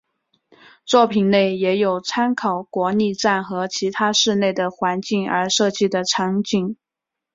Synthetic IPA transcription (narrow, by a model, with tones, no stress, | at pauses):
t͡swɔ˥˩pʰi˨˩nne˥˩ɪjɛ˧˥jo˨˩ʊt͡sʰa˥nkʰɑ˨˩ʊkwɔ˧˥ni˥˧ʈ͡ʂa˥˩nxɤ˧˥t͡ɕʰi˧˥t̪ʰa˥ʂɻ̩˥˧ne˥˩ɪd̪ə˩xwa˧˥nt͡ɕi˥˩ŋə̰˞˧˥ʂɤ˥˧t͡ɕi˥˩d̪ə˩ʈ͡ʂʰɑ˧˥ŋt͡ɕi˥˩ŋ